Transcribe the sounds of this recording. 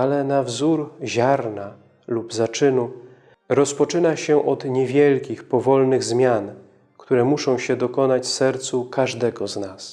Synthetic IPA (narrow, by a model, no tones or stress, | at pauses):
alɛnavzuɾʑaɾna | lubzat͡ʂɘnu | ɾɔspɔt͡ʂɘnaɕɛʔɔd̪ɲɛvʲjɛlkʲixpɔvɔlnɘɣzmʲjan | kt̪uɾɛmuʂɔ̃w̃ɕɛd̪ɔkɔnat͡ɕfsɛɾt̪sukaʐd̪ɛɡɔznas